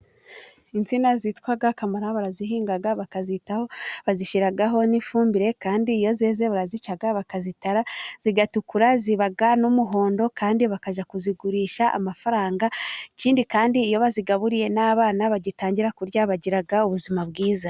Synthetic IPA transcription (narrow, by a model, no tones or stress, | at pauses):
int͡sinazitkwaɡakamaɾaβaɾazihiːŋɡaɡaβakazitaho̞βaziʃiɾaɡaɦo̞nifuːmbiɾe̞kaːndiːjo̞zeːze̞βuɾazit͡ʃaɡaβakazitaɾaz̥iɡatukuɾaziβaɡanumuɦo̞ːndo̞kaːndiβakaʒakuziɡuɾiːʃaʔa̰mafaɾaːŋɡaiciːndikaːndiːjo̞βaziɡaβuɾije̞naːβaːnaβaɟitaːɲɟiɾakuɾɟaβaɟiɾaɡauβuzimabɡiːza